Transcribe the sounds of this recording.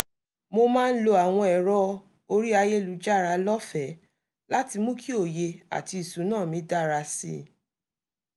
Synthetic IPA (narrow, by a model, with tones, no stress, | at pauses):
mo˧mãː˦˧n̩˦lo˧a˨w̃ɔ̃˧ɛ˨ɾɔ˦ | o˧ɾi˦a˧je˦lu˨˦d͡ʒa˦˨ɾa˧lɔ˦fɛ˨˦ | la˦ti˧mũ˦kʰi˦o˦˨je˧a̰˨ti˧i˨sũ˨˦nãː˦˨mĩ˨˦da˦ɾa˧sḭ˦˨